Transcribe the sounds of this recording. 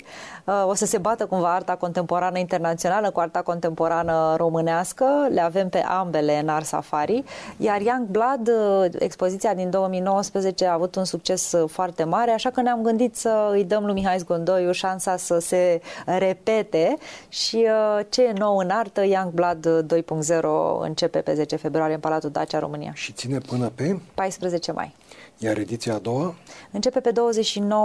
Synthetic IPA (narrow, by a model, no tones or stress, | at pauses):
əo̞səse̞bat̪əkumvaart̪ako̞nt̪e̞mpo̞ɾanəint̪e̞rnat̪sio̞naləkuart̪ako̞nt̪e̞mpo̞ɾanəɾo̞mɨneaskəle̞ave̞mpe̞̰ʔambe̞le̞ɨnarsa̰faɾijarjaŋɡblad̪ḛkspo̞zit̪siad̪ind̪o̞wəmijno̞wəspɾəze̞t͡ʃe̞aːvut̪unsuk̚t͡ʃe̞sfoart̪e̞maɾe̞aʃakəneamɡɨnd̪it̪səɨjd̪əmlujmiɦais̬ɡond̪o̞juʃansasəse̞ɾe̞pe̞t̪e̞ʃiət͡ʃe̞jeno̞wɨnart̪əjaŋkblad̪d̪ːo̞jpuŋkt̪ze̞ɾo̞̰ɨ̰nt͡ʃe̞pe̞pe̞ze̞t͡ʃe̞fe̞bɾoaɾjeənpalat̪ud̪a̰t͡ʃʲaɾo̞̰mɨnḭja̰ʃit̪sine̞pɨnəpe̞pajspɾəze̞t͡ʃe̞mʔa̰j | jaɾed̪it̪sijaːd̪o̞waɨnt͡ʃe̞pe̞pe̞d̪o̞wəze̞t͡ʃʃino̞w